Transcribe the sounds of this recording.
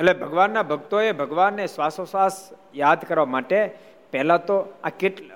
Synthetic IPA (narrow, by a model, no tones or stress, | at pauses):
elebʱəɡʋanːabʱəɡt̪oebʱəɡʋanːesʋasosʋas | jad̪ʱkəɾʋamaʈe | pɛɦlat̪oakeʈ